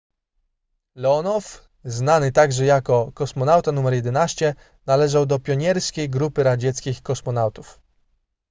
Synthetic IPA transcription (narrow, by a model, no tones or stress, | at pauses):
lɛɔnɔf | znanɘt̪aɡʐɛjakɔkɔsmɔnawt̪anumɛɾjɛd̪ɛnaɕt͡ɕɛ | nalɛʐawd̪ɔpʲjɔɲɛɾskʲejɡɾupɘɾad͡ʑɛt̪skʲixkɔsmɔnawt̪uf